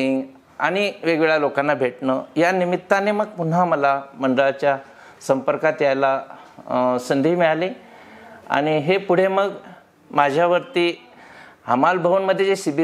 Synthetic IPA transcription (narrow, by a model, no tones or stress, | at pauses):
ŋ | a̰ɽ̃iʋeɡʋeɭalokanːabʱeʈnəjanimit̪ːaneməɡ̚pun̤aməlaməɳɖəɭat͡ɕja | səmpəɾkat̪jala | sənd̪ʱiːmiɭali | a̰ɽ̃iɦepuɽ̤eməɡ | mad͡ʑʱjaʋəɾt̪iː | ɦəmalbʱəʋənməd̪ʱjeesibi